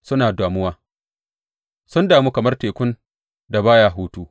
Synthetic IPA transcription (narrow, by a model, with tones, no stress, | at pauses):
sʊ˦naː˨daː˨mʊ˦waː˦ | sʊ˦ndaː˨muː˦kɐ˨mɐ˦rteː˨kʷʊ˦n | da˨baː˦jaː˦ɦuː˦tuː˦